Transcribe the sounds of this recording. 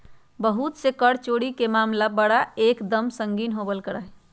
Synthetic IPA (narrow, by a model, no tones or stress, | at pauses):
bəɦut̪sekəɽt͡ʃoɽikemaːmlabəɽaekd̪əmsəŋɡiːnɦobəlkəɽaɦ